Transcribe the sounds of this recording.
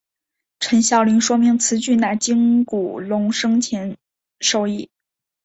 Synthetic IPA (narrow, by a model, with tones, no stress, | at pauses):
ʈ͡ʂʰə˧˥nɕjɑ˥˩ʊli˧˥ŋʂwɔ˥mi˧˥ŋt͡sʰɹ̩˧˥t͡ɕy˥˧na˥˩t͡ɕi˥ŋku˨˩lʊ˧˥ŋʂɤ˥ŋt͡ɕʰɛ˧˥n | ʂo˥˧ʊi˥˩